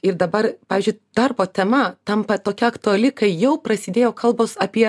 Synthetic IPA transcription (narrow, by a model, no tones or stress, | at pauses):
ɪɾd̪ɐbɐrpɑːʋʲiːzʲd͡ʒʲʊɪd̪̥ɐrboːt̪ʲɛmɐt̪ɐmpɐt̪oːkʲɛɐkt̪ʊɐlʲɪkɐɪjɛʊpɾɐsʲɪd̪ʲeːjoːkʰɐlˠboʊsɐpʲiɛ